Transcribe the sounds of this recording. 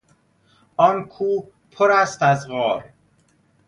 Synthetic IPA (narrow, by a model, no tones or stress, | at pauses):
ɒːnkʰuː | pʰoɾæst̪æzɣɒːɾ